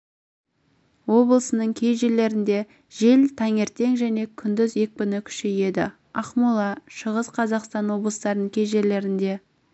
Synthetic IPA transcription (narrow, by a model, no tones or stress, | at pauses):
wo̞blˠəsənəɴkʲʰe̞jʒele̞ɾɪnd̪e̞ | ʒ̥e̞lt̪ʰɑŋe̞ɾt̪e̞ŋʒæne̞kʲʰʏnd̪ɪzje̞k̚bʲʏnɪkʲʰʏ̥ʃeje̞d̪ɪ | ɑqmulˠɑʃəʁəsqʰɑzɑqst̪ɑnwo̞blˠəst̪ɑɾənəŋkʲʰe̞jʒe̞le̞ɾɪnd̪e̞